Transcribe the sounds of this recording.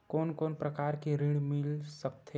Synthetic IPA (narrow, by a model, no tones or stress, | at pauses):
koːnkoːnpɾəkaːɾkiɾɪɽmɪlsəkt̪ʰe